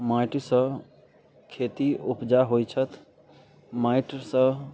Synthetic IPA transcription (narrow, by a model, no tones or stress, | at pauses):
majʈsə̃ | kʰet̪iupd͡ʒaɦojt͡ʃʰət̪ʰ | majʈsə̃